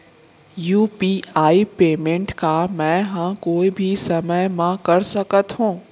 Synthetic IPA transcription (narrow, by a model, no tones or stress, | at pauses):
juːpiːaːipeːmẽɳʈkamɛ̃ːɦãkoːibʱisɐməjmãkɐɾsɐkət̪ɦũː